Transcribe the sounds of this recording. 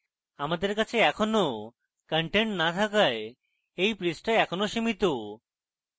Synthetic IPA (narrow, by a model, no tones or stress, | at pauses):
amad̪eɾkat͡ɕʰeɛkʰɔno | kəɳʈeɳʈnat̪ʰakae | ejpɾisʈaɛkʰɔnoʃimit̪o